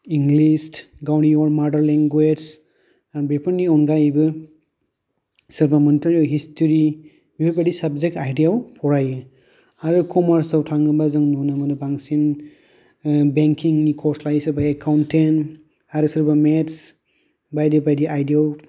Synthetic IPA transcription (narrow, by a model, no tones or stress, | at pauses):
iŋɡlistɡawniɔɾmaɾdɐɾleŋɡwed͡ʒz | aɾbepʰɯɾniɔnɡajbɯ | sɯɾbamɔnitɔɾiawɦistɔɾi | bipipadisɐbzek̚tajdijawpʰɔɾajɯ | aɾɯkʰɔmaɾsawtʰaŋɡɯbazɯŋnɔnɯmanɯbaŋsin | beŋkʰiŋnikʰɔslajsɯɾbaekʰawntʰen | aɾɯsɯɾbamets | bajdibajdiʔajdijaw